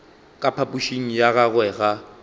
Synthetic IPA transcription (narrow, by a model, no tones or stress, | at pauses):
kʼapʰapʼuʃiŋ̩jaɣaɣwɛɣa